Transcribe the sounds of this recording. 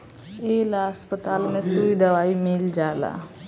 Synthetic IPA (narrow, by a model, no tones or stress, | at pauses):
eːlaspət̪aːlmẽsuid̪ɐʋaːimɪld͡ʒaːla̰ː